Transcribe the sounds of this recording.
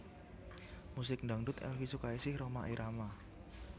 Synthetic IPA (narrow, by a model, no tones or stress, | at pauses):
mus̬ɪk̚ndaŋɖʊt̪ɛ̰lfisukaisɪhromaʔiɾʔama